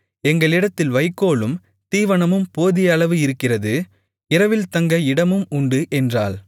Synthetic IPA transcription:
ɛŋɡɐɭɪɽɐt̪ːɪlʋɐɪkːoːɭɯm | t̪iːʋɐɳɐmɯmpoːðɪjɐɭɐʋɯɪɾɯkːɪrɐðɯ | ɪɾɐʋɪlt̪ɐŋɡɐɪɽɐmɯmʊɳɖɯʔɛndra̰ːl

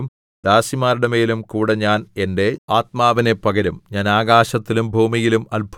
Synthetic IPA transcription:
m | d̪̥aːsimaːɾuɽɐme̞ːlumkuːɽɐɲaːne̞nde̞aːt̪̚maːʋine̞pɐɣɐɾumɲaːnaːɡaːɕɐt̪ːilumbʱuːmijilumɐlbʱ

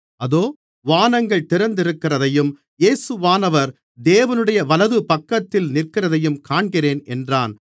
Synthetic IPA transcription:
ɐðoː | ʋaːnɐŋɡɐɭt̪ɪɾɐnd̪ɪɾɯkːɪrɐðɐjɯm | jeːsɯʋaːnɐʋɐɾ | d̪eːʋɐnɯɽɐjɐʋɐlɐðɯpɐkːɐt̪ːɪlnɪrkɪrɐðɐjɯmkaːɳɡɪreːnɛndraːn

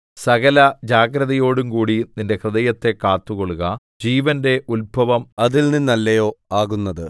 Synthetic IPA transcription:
sɐɣɐlɐd͡ʑaːɡɾɐðɐjo̞ːɽumkuːɽininde̞krɨðɐjɐt̪ːe̞kːaːt̪ːuɣoɭuɣɐ | d͡ʑiːʋɐnde̞ʔulbʱɐʋɐmɐðilninːɐlːɐjo̞ːaːɣunːɐðɨ

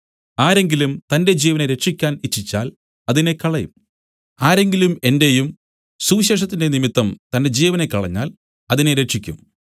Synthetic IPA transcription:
aːɾe̞ŋɡilumt̪ɐnde̞d͡ʑiːʋɐneɾe̞ʈʂikʲːaːnit͡ɕːit͡ɕːa̰ːl | ɐðine̞kɐɭɐjum | aːɾe̞ŋɡilume̞nde̞jum | suːɕeːʂ̬ɐt̪ːinde̞nimit̪ːɐmt̪ɐnde̞d͡ʑiːʋɐne̞kːɐɭɐɲːa̰ːl | ɐðine̞ɾe̞ʈʂikʲːṵm

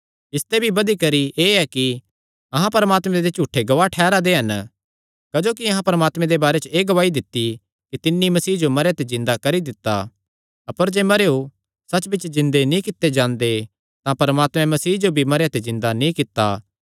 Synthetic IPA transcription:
ɪst̪ebʱibɐd̪ikɐɾiʔeːɛki | ɐɦãpɐɾəmaːt̪mɛ̃d̪et͡ʃuːʈʰːeɡɐʋaʈʰɛːɾad̪eɦɐn | kɐd͡ʒoːkiɐɦãpɐɾəmaːt̪mɛ̃d̪ebaːɾet͡ʃeːɡɐʋaːid̪ɪt̪ːi | kit̪ɪnːimɐsiːd͡ʒomɐɾjat̪ezɪ̃nd̪akɐɾid̪ɪt̪ːa̰ | ɐpəɾd͡ʒeːmɐɾeːu | sɐt͡ʃbʱɪt͡ʃzɪ̃nd̪enĩkɪt̪ːed͡ʒãːnd̪e | t̪ãpɐɾəmaːt̪mɛ̃mɐsiːd͡ʒobʱimɐɾejat̪ezɪ̃nd̪anĩkɪt̪ːa

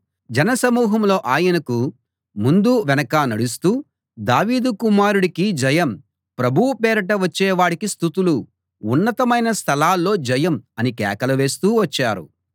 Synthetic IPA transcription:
d͡ʒɛnɐsɐmuːɦɐmlo̞ːʔaːjɐnɐku | mund̪uʋɛnɐkaːnɐɽus̬t̪uː | d̪aːʋiːd̪ukumaːɾuɽikid͡ʒɐjɐm | pɾɐbʱuʋupɛːɾɐʈɐʋɐt͡ʃːɛːʋaːɽikist̪ut̪uluː | nːɐt̪ɐmɐjnɐst̪ʰɐlaːlːo̞ːd͡ʒɐjɐmɐnikɛːkɐlɐʋe̞ːst̪uːʋɐt͡ʃːaːɾṵ

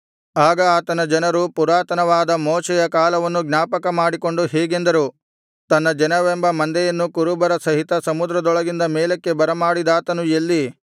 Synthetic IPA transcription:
aːɡɐːt̪ɐnɐd͡ʒɐnɐɾupuɾaːt̪ɐnɐʋaːd̪ɐmoːt͡ʃɛjɐkaːlɐʋɐnːuɡnʲaːpɐkɐmaːɽiko̞ɳɖuɦɛːɡe̞nd̪ɐɾu | t̪ɐnːɐd͡ʒɐnɐʋembɐmɐnd̪ɛjɐnːukuɾubɐɾɐsɐɦit̪ɐsɐmud̪ɾɐd̪ɔɭɐɡind̪ɐmeːlɐkːe̞bɐɾɐmaːɽid̪aːt̪ɐnujelːi

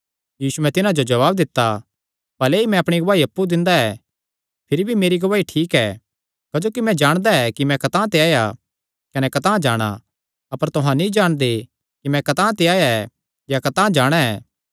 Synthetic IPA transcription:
jiːsuɛ̃t̪ɪnãd͡ʒod͡ʒɐʋaːb̚d̪ɪt̪ːa | bɐleimɛ̃ɐpɽ̃iɡɐʋaːiɐpːud̪ɪ̃nd̪aɛ | pʰɪɾibʱimeːɾiɡɐʋaːiʈʰiːkɛː | kɐd͡ʒoːkimɛ̃d͡ʒaːɽ̃d̪aɛkimɛ̃kɐt̪ãːt̪̬eaːja̰ | kɐnɛkɐt̪ãːd͡ʒaːɽ̃a̰ | ɐpəɾt̪ʊɦãnĩd͡ʒaːɽ̃d̪e | kimɛ̃kɐt̪ãːt̪̬eaːjaɛ | jakɐt̪ãːd͡ʒaːɽ̃aɛ̰ː

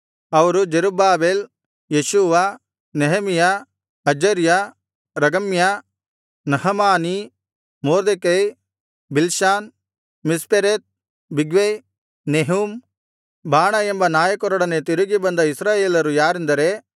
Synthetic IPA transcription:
ɐʋɐɾud͡ʒeɾubaːbeːl | jeʃuʋa | neɦɐmija | ɐd͡ʒɐɾja | ɾɐɡɐmja | nɐɦɐmaːni | moːɾd̪ekɐj | bilʃaːn | mispeɾeːt̪̚ | biɡʋej | neɦum | bʱaːɳɐembɐnaːjɐkɔɾɔɽɐnet̪iɾuɡibɐnd̪ɐisɾaːjeːlɐɾujaːɾind̪ɐɾe

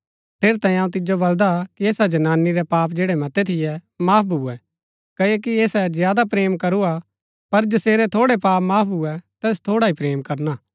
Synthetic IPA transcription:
pʰeːɾit̪ãːĩaũt̪ɪd͡ʒobɐld̪akieːsad͡ʒɐnaːniɾɛpaːp̬̚d͡ʒeːɽɛmɐt̪ɛt̪ʰɪjɛmaːp̚ʰbʱuɛ | kɐekieːsɛzɪjaːd̪apɾeːmkɐɾua | pɐɾd͡ʒɐseːɾɛt̪ʰoːɽɛpaːpmaːp̚ʰbʱuɛt̪ɛːs̬t̪ʰoːɽaipɾeːmkɐɾnaː

